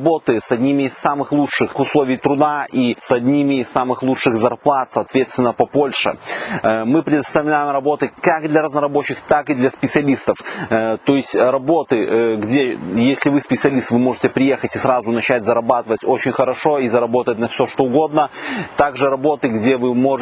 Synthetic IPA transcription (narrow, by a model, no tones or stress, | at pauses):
bo̞t̪ɨsɐdʲnʲimʲɪːsːamɨxlˠut͡ʂʂɨxʊslˠo̞vʲɪjt̪ɾʊd̪aʔisɐdʲnʲimʲɪːsːamɨxlˠut͡ʂʂɨxzɐrplˠat̪sɐːt̪vʲet̪st̪vʲɪnːəpɐpo̞lʲʂɨ̰ | mɨpɾʲɪd̪əst̪ɐvlʲæjɪmrɐbo̞t̪ɨkakd̪lʲɐɾɐznəɾɐbo̞t͡ɕːɪxt̪akɨd̪lʲɐspʲɪt̪sɨɐlʲist̪əft̪o̞ɪsʲtʲɾɐbo̞t̪ɨɡdʲejesʲlʲɪvɨspʲɪt̪sɨɐlʲist̪vɨmo̞ʐɨtʲɪpɾʲɪje̞xətʲɪsɾazʊnɐt͡ɕætʲzɐɾɐbat̪ɨvətʲo̞t͡ɕɪnʲxəɾɐʂo̞izɐɾɐbo̞t̪ətʲnɐfsʲoʂt̪o̞ʊɡo̞d̪nət̪aɡʐɨɾɐbo̞t̪ɨɡdʲevɨmo̞